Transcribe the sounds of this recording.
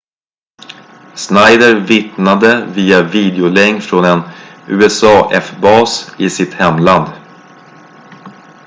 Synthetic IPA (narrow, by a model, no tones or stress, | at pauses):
snajd̪əɾvɪt̪nad̪əviːaviːd̪ɛʊlɛŋfɾɔnɛnʉ̟ːɛsɑːʔɛfbɑːsɪsɪt̪hɛmland̪